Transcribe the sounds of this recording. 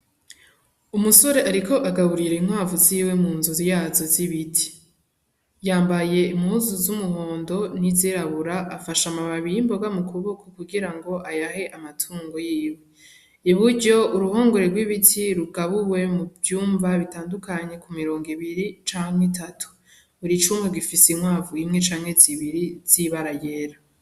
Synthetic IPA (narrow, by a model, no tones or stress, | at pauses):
umuso̞ɾe̞ʔaɾiko̞ʔaɡaβuɾiɾeinhwaːvuziːwe̞muːnzuzijaːzoziβitʰi̥ | jaːmbaje̞imhuzuzumuho̞ːndo̞niziɾaβuɾaʔːfaʃamaβaβiimbo̞ɡamukʰuβokokuɡiɾaŋɡo̞ʔajaɦe̞ʔamatʰuːŋɡo̞jiːwe | iβuɾɟo̞uɾuhoːŋɡoɾe̞ɡwiβitʰiɾuɡaβuwe̞muvjuːɱvaβitaːndukaɲe̞kumiɾo̞ːŋɡiβiɾit͡ʃaːŋhetatʰu̥ | βuɾit͡ʃumeɡifisimwaːvuimŋe̞t͡ʃaːŋhe̞ziβiɾiz̥iβaɾaje̞ɾa